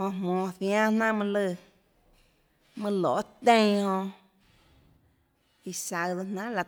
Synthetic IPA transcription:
hõ˧mmɔ̃ː˧˨θj̃ã˦nã˦ʔmɨ̃˧lə˧˨ | mɨ̃˧lo̰˨˦t̪ẽ˦j̃hõ˧ | i˧sa˧ðo˧nã˦la˧

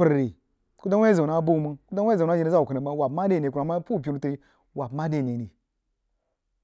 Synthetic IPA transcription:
ə˨ɾɾe˨ | ku˦da˦we˦za˨na˦bo˦mu˨˦ku˦da˦we˦˨na˦d͡ʒi˦ni˦za˦˨u˨kə˨na˨ma˦wa˨pma˦de˦˨e˨ku˨a˨ma˦pu˦˨p̬ʲi˦nu˦te˦i˦ | wa˨pma˦de˨ne˨ne˨

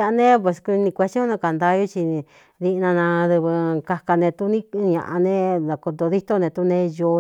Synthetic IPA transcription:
a˧nẽ˦p̬we˧˨sku˧nĩ˧kʷe˧t͡ʃõ˦nã˧ka˨nd̪a˧ju˦t͡ʃi˧ | ði˧nã˧nã˧ðɨ˧βɨ˧ka˧ka˧nẽ˧t̪u˦nĩ˦˧ɲã̰˧ʔa˧nẽ˦ða˨ko˧d̪o˧ði˦t̪o˦nẽ˧t̪u˦nẽ˧jo˧

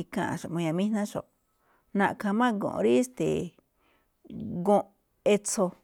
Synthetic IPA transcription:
kã̰˧ʔʃo˨ʔmõ˧jã˧mĩ˦nã˦ʃo̰˨ʔ | nã˧ʔkʰã˧mã˦ɡõ̰˨ʔɾi˦st̪ḛ˨ | ɡõ˧ʔ | e˧t͡so˧

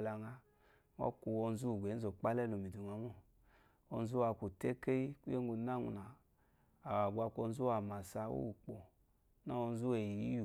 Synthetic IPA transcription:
la˧ŋa˧ | ŋɔ̰˦ku˧ɔ˧n̩˦zu˦˨ɡʷe˨˦n̩˦zo˨k͡pa˦lɛ˦˨lo˨mi˨du˨ŋa˨˦mɔ˦˨ | ɔ˧n̩˦zu˦a˨˧˨ku˨te˦ke˦i˦ku˦e˦ŋ˦u˧˨na˦ŋṵ˨naː˨ | wa˨ɡʷa˧ko˧n̩˦zu˦a˨ma˨sa˧˦o̰˦u˨k͡pɔ˨ | na˦o˧n̩˦zu˦e˨ji˨jḭ˦ju˨

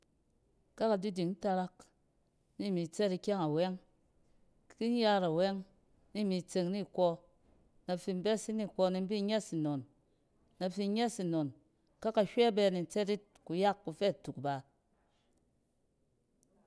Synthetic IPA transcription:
ka˦ka˨di˦di˨ŋn̩˦ta˧ɾa˦k | ni˦˨mi˨t͡sɛ˦ti˧kʲa˦ŋa˨wɛ˦ŋ˦ | ki˦n˦ja˦ɾa˨wɛ˦ŋ | ni˦˨mi˨˧t͡se˧ŋni˦˨kʷɔ˧ | na˨fi˧m̩˦bɛ˦si˦ni˦˨kʷɔ˧ni˧m̩˦bi˦ɲɛ˦si˨no˨n | na˨fi˧˦ɲɛ˦si˨no˨n | ka˦ka˨ʃʲʷɛ˦bɛ˧ni˨n̩˨˦t͡sɛ˦ti˦t | ku˧ja˦kːu˧fɛ˦˨tu˨kba˨

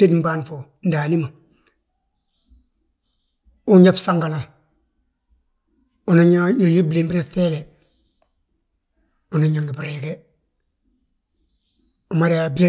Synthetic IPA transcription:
e˦di˨mbaː˦nfo˨ndaː˨ni˦ma˨ | u˦ɲɲa˦bsa˦ŋɡa˨la˨ | u˨naɲaɲo˨ju˦bi˦li˨mbi˦ɾe˨feː˦le˨ | u˨na˦ɲa˨ŋɡi˨bi˨ɾe˨ke˦ | u˨ma˦ɾeabi˦le˦

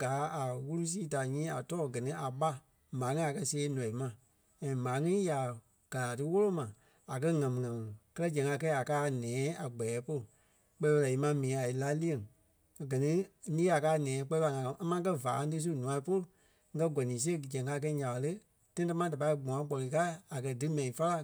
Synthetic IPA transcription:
ɡaː˨˦a˨wu˦lu˦s̬iː˦ta˨ɲĩː˦a˨tɔː˦˨ɡɜ˨nĩ˦ʔa˨ɓa˦ | mãː˨˦ŋĩ˦a˨kɜ˦seː˧˦nɔ̃˨i˨mã˧˨ | ɛ̃˨mãː˨˦ŋĩ˦ja˨ | ɡ̥a˨la˨tɨ˦wo˦lo˦mã˨ | a˨k̬ɜ˦ŋã˨mĩ˨ŋã˨mĩ˨kɜ˦lɜ˦d͡ʒɛ̃˨ŋka˧˦˧kɛ˦a˨kaː˦˨nɛ̃ː˨˦a˨ɡ͡bɛ˨ɛː˨˦po˦lu˨ | k͡pɛ˧˦fa˧la˨i˨˧mã˧mĩː˨˦a˨i˨˦la˦li˦e˨ŋ˨ | ɡɜ˨nĩ˦nĩː˦a˨kaː˦˨nɛ̃ː˨˦k͡pɛ˧˦i˦˧a˧˨ŋã˨ã˧˨˦a˦mã˧˦k̬ɜ˦va̰ː˨˧˦tɨ˦s̬u˦nũ˨ã˧i˦po˦lu˨˦ | ɡɜ˧˦ɡɔ˨nĩː˨˦s̬e˦˨d͡ʒɛ̃˨ŋka˧˦˧k̬ɛ˧˦ɲã˨a˨lə˦ | tã˦ĩ˦ta˦mã˦da˨pa˧i˧˦ɡ͡bɔ̃˨ã˨˦ɡ͡bɔ˨lɨ˨˧ka˦a˨kɜ˧dɨ˦mɛ̃˨ĩ˨fa˦la˦

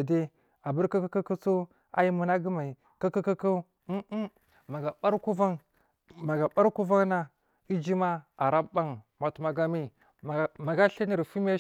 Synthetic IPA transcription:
a˨de˦ | a˨bu˦ɾka˦ka˦ka˦ku˦su˦ | a̰˨ji˦mu˨na˦ɡi˦ma˨ | ka˦ka˦ka˦ka˦ | ma˨ɡa˨ɓa˦ɾku˦va˦ŋ | ma˨ɡa˨ɓa˦ɾku˦va˦ŋna˦ | i˦d͡ʒi˦ma˦a˨ɾa˦ba˦ŋma˨tu˨ma˨ɡa˨mi˦˨ | ma˨ɡa˦ɬe˦ni˦˨ɾfi˦m˦e˦

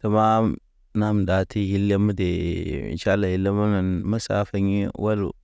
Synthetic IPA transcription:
ta˨ma˦ | na˦m˨da˨tʰi˦hi˦lːe˦mu˦de˨ḭ˨nʃa˦la˨hi˦lːa˦ma˦na˨nma˦sa̰˦fa˦ɲi˦wʔa˦lṵ˨

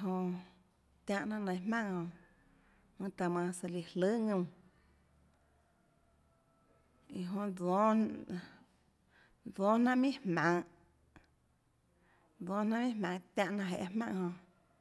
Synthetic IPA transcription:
ɦõ˧ | t̪jã˧ʔnã˦ʔnə̃˧j̃hmã˦˨ŋhõ˧ | mɨ̃˧t̪a˧mã˧sa˧li˨hlɨ˦ŋɨ̃˧m | i˨ɦõ˧d͡zõ˦ | d͡zɔ̃˦nã˦ʔmĩ˦hmã˨ŋ | d͡zõ˦nã˦ʔmĩ˦mã˨˧ŋt̪jã˧ʔnã˧ʔɦe˨ʔhmã̰˧˨ʔhõ˧

